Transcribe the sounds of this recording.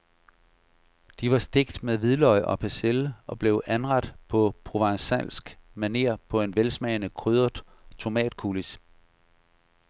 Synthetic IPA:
d̥iʋɑ̈sd̥e̝ɡ̥d̥meðˠʋiðˠlɒ̽ɪʔɒ̽pʰæselɒ̽b̥le̝ʊʔænʁɑ̈d̥pʰɒ̽pʰʁo̝ʋɑ̈ŋsæl̰sɡ̥mæne̝̰ɐ̰pʰɒ̽e̝nʋelsmɛːnəkʰʁyðˠɐ̥ | t͡sʰo̝mɛ̰ːd̥̚kʰulis

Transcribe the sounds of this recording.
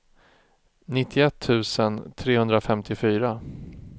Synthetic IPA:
nɪt̪ʰːɪɛt̪ʰːʉ̟ːsənt̪ʰɾeːhɵnd̪ɾafɛmt̪ʰɪfyːɾa

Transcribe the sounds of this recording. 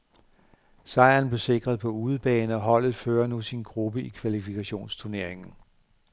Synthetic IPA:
sɑ̈ɪænb̥le̝se̝ɡ̥ʁɐð̞̩ˠpʰɒ̽uːð̞̩ˠb̥ɛːnəɒ̽ɦɒ̽l̰ð̩ˠføːɐnusinɡ̥ʁub̥əʔikʰʋælifikʰæɕo̝̰ːnst͡sʰuɐne̝ɐ̰eŋn̩

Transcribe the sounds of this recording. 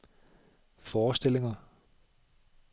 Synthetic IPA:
fɒːsd̥el̰e̝ŋɐ

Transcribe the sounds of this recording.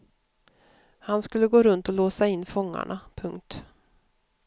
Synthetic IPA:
hanskɵlːəɡoːɾɵnt̪ɔloːsaɪnːfɔŋːa̰ɳapʰɵŋk̚t̪

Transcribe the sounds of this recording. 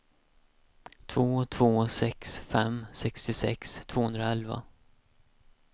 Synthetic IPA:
t̪ʰvoːt̪ʰv̥oːsɛksfɛmːsɛkst̪ɪsɛ̰kst̪ʰvoːhɵnd̪ɾaɛlva̰

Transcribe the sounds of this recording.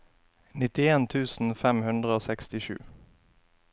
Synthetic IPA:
nɪt̪ɪeːnt̪ʰʉːsn̩fɛmhʉnd̪ʁəoːsɛkst̪ɪʃʉ̰ː

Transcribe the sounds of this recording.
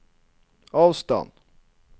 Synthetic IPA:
ɑːvst̪ɑ̰nd̪

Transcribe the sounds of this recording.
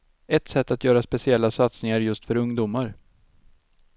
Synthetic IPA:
ɛt̪sɛt̪ːat̪jœːɾaspɛsɪɛlːasat̪snɪŋaɾjɵst̪fœɾɵŋd̪uːmaɾ

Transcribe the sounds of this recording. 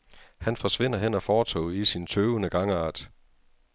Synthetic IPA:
hænfɒ̽sʋe̝n̰ɐɦenɒ̽fɒːt͡sʰɒ̰̽ːisint͡sʰøːʊənəɡ̥ɑ̈ŋəɑ̰̈ːd̥

